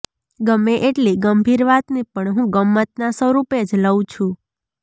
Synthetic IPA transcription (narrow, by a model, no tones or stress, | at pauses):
ɡəmeʔeʈliɡəmbʱiɾʋat̪nipəɳɦũɡəmːət̪̚nasəɾuped͡ʒləw̃t͡ʃʰũ